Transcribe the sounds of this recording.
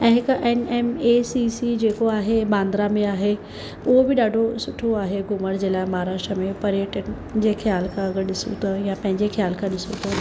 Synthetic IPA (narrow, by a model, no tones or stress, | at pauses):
ɛ̃ːɦɪkʊʔɛːnemesisid͡ʑeːkoaːɦeɓãːnd̪ɾamẽaːɦe | ʊɦobɪɗaːɖʱosʊʈʰoaːɦeɡʊməɽd͡ʑeːlaːɪmaaːɾaːʃʈɾəmẽpɐɾijəʈənɪ̆ | d͡ʑeːxjaːlkʰãɐɡəɾɗɪsṵt̪ʰɐjãpɐ̃ɦɪ̃ɲd͡ʑexjaːlkʰãɗɪsut̪ʰɐ